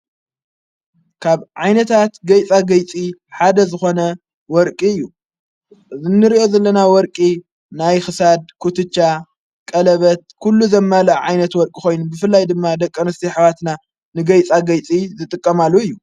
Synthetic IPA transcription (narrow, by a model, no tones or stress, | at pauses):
kʰaβʕajnɐt̪ʰat̪ɡɐjt͡sʼaɡɐjt͡sʼiħad̪ɐzɨxo̞nɐ | wɔɾkʼiɨjːu | ʔɨzɨnːɨɾiʔo̞zɐlːɐnawɔɾkʼi | najxɨsad̪̚kʰut̪ʰɨt͡ʃːa | kʼɐlɐβɐt̪̚kʰulːuzɐmːalɐʔʕajnɐt̪wɔɾkʼixo̞jnubɨfɨlːajd̪ɨmːad̪ɐkʼːɐnɨst̪iħaβat̪na | nɨɡɐjt͡sʼaɡɐjt͡sʼizɨt̪ʼɨkʼːɐmalːuɨjːu